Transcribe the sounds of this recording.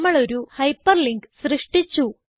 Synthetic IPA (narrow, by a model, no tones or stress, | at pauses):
mːɐɭo̞ɾuhɐjpːɐrliŋɡɨsrɨʂʈit͡ɕːu